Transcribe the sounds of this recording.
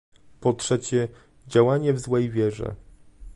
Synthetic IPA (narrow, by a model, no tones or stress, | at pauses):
pɔtʂɛt͡ɕɛ | d͡ʑawaɲɛvzwɛjvʲjɛʐɛ̰